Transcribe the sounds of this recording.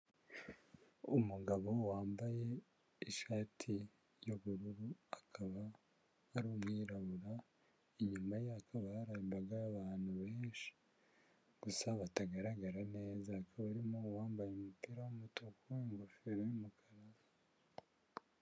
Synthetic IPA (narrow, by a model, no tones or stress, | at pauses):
umuɡaβo̞waːmbaje̞ | iʃaːtʰi | joβuɾuɾuakʰaβaː | ɾuːmŋiːɾaβuɾa | iɲumajaakʰaβahaɾaimbaɡaɾaβaːn̥huβe̞ːnʃi̥ | ɡ̥usaβataɡaɾaɡaɾane̞ːzaːkʰaβaɾimowaːmbajumupiːɾawumutokueŋɡofiɾojumukʰaɾaβa